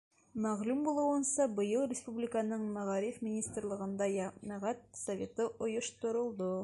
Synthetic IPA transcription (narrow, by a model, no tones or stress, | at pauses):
mæʁlʉmbulˠɤ̆wɤ̆nsɑbɤ̆jɤlˠrʲɪspublʲɪkanɤɴmæʁɑɾifmʲɪnʲist̪rlˠɤ̆ʁɤ̆nd̪ɑjænæʁæt̪̚sɐvʲet̪ɤʔŏjŏʃt̪ŏɾŏlˠd̪o